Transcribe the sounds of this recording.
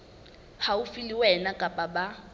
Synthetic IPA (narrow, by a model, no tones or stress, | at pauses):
haufiliwɛnakʼapʼaɓa